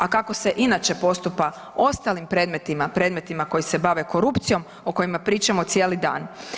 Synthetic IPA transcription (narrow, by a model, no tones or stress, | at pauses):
akako̞se̞ʔinat͡ʃe̞po̞st̪upa | o̞st̪alimpɾe̞d̪me̞t̪imapɾe̞ːd̪me̞t̪imako̞jise̞baʋe̞ko̞ɾupt̪sijo̞m | oko̞jimapɾiːt͡ʃamo̞t̪sijeːlid̪a̰ːn